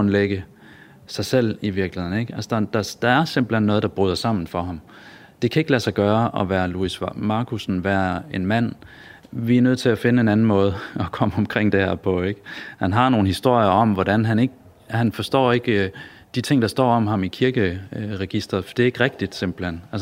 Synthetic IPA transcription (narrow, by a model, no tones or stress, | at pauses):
ɔnleɡ̥ə | sɑ̈ɪsel̰iʋiɐɡ̥ləhe̝ðˠn̩eɡ̥ælsəd̥ɑd̥ɑ̈d̥ɑ̈æɐsemb̥l̩henːɔ̽ːð̞̩ˠd̥ɑ̈b̥ʁyːðˠɐsɑ̈m̰n̩fɒ̽ɦɑ̈m | d̥e̝kʰæe̝ɡ̥læsɑ̈ɪɡ̥ɶːɐʔɒʋæːɐluismɑ̈ːkʰusn̩ʋæːɐe̝nmæn̰ | ʋiæɐnøð̰ˠt͡sʰe̝læfe̝nəenæn̩mɔ̽ːð̞̩ˠɒ̽kʰɒ̽məɒ̽mkʰʁeŋ̰d̥ehæɐpʰɒ̽eɡ̥hænɦɑ̈no̝ːn̩hisd̥o̝ɐ̰jɐɒ̽mʋɒdænɦæne̝ɡ̥ə | hænfɒ̽sd̥ɒ̰ːe̝ɡ̥ | d̥it͡sʰe̝ŋ̰d̥ɑ̈sd̥ɒ̰ːɒ̽mɦɑ̈mikʰiɐɡ̥əʁɛɡ̥isd̥ʁɐðˠfd̥e̝ɐeɡ̥ʁɛɡ̥̚d̥id̥se̝m̰b̥l̩hen̰æls